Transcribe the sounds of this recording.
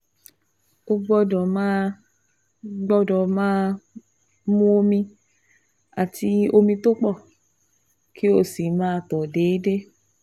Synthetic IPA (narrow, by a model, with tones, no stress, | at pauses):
o˧ɡ͡bɔ˧dɔ˨mãː˦ | ɡ͡bɔ˦dɔ˨mãː˦˧ | mũ˦o˧mĩ˧ | a˨ti˧o˧mĩ˧to˦k͡pɔ˦˨ | kʰi˦o˦˨si˨mãː˦˧tɔ˨de˨˦de˦